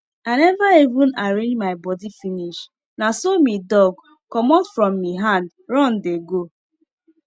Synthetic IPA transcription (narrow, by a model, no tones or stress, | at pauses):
aɪnɛvaivũnaɾẽd͡ʒmaɪbɔdifiniʃ | nasomidɔɡ̚ | kɔmɔtfɾɔmːiɦãnd | ɾɔ̃ndeɡo